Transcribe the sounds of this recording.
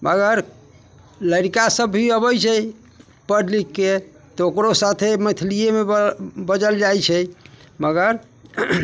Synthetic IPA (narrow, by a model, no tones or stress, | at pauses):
mʔəɡəɾ | ləɾikasəbːʱiəbəjt͡ʃʰɛ | pəɖlikːe | t̪ɔokɾosat̪ʰemət̪ʰilijemebəd͡ʒəld͡ʒajt͡ʃʰɛj | məɡəɾ